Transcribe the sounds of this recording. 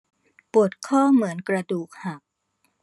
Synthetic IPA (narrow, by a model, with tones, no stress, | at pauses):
pu˨˩ət̪̚kʰɔː˥˩mɯ˩˦ənkɾa˧duː˨˩k̚ha˨˩p̚